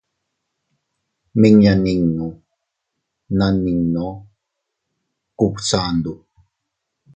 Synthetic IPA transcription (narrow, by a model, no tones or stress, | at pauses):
miŋjaniŋnu | naniŋno | kupt͡saːnd̪u